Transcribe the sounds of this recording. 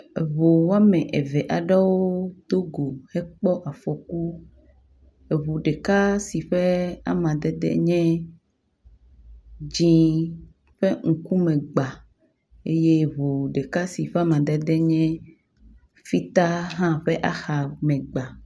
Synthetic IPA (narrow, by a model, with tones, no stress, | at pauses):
e˨βo˨wa˦mɛ̃˨ʔɛ˨vɛ˨ʔa˨ɖa˦wo˦t̪o˦ɡo˨hɛ˦k͡pɔ˦ʔa˨fɔ˨ku˦ | e˨βo˨ɖe˨ka˦si˨ɸɛ˦a̰˦mã˨d̪ɛ˦d̪ɛ̰˦ɲɛ̃˦ | d͡ʒĩ˦ | ɸe˦ŋ̩˨ku˦mɛ̃˨ɡ͡ba˨ | e˦je˦βo˨ɖe˨ka˦si˨ɸɛ˦a˦mã˨d̪ɛ˦d̪ɛ˦ɲɛ̃˦ | fi˦t̪a˦ɦã˦ɸɛ˦ʔa˨xa˨mɛ̃˨ɡ͡ba˨